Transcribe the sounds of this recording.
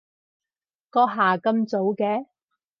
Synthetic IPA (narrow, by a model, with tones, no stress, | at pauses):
kɔː˧ɦaː˨˩kɐ˧mt͡so˨˥wkɛː˧˥